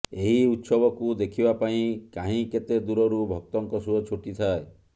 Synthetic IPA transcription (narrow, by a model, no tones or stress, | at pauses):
eɦiut̪sɔbɔkud̪ekʰibapaĩkaɦĩket̪ed̪uɾɔɾubʱɔk̚t̪ɔŋkɔsuɔt͡ʃʰoʈit̪ʰae